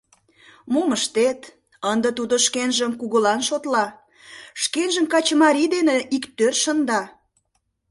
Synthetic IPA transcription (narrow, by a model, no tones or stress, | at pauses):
moməʃt̪et̪ | ənd̪ət̪ud̪oʃkenʒəmkuɣəlɑnʃot̪lɑ | ʃkenʒəmkɑt͡ɕəmɑɾid̪eneʔikt̪ørʃənd̪ɑ